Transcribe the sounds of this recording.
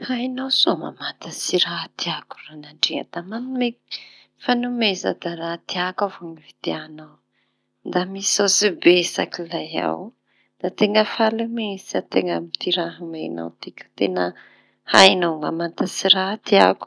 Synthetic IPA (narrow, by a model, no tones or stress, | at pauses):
hajnawsoma̰mant̪asiɾat̪iaku̥ranaɳɖ͡ʐea̰d̪̥amanume | fanumesa̰d̪aɾat̪iakavoŋivid̪eanaw | nd̪amisawsibesa̰kilaja̰w | d̪at̪eŋəfalumesiat̪eŋəmit̪iɾaɦmejna̰wt̪ikʲə̥t̪enə | hajnawmamant̪asiɾat̪iaku̥